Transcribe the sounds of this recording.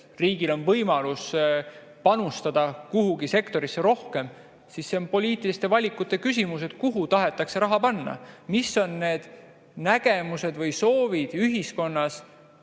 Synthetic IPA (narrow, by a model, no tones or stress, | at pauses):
riːɡ̥ilo̞nvɤjmɑlus | pɑnust̪ɑd̪̥ɑkuɦuɡise̞kt̪o̞ɾisːe̞ɾo̞hke̞m | sisːe̞o̞npo̞lʲiːt̪ːˑilist̪e̞vɑlʲikːˑut̪ːˑe̞kysʲimus̬e̞d̪̥kuɦut̪ɑɦe̞t̪ːˑɑkse̞ɾɑɦɑpɑnːɑ̰misːo̞nːe̞ːd̪̥ | næɡ̥e̞muse̞d̪vɯjso̞ːvid̪̥yɦisko̞nːɑs